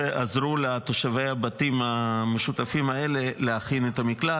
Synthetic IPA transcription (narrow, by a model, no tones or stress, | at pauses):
eʔazɾulat̪o̞ʃave̞jabatimameʃut̪afimae̞le̞leaχinet̪amikla